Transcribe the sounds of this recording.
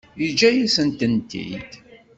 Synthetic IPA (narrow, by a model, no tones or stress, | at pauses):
id͡ʒæjisənt̪ənt̪ḭd̪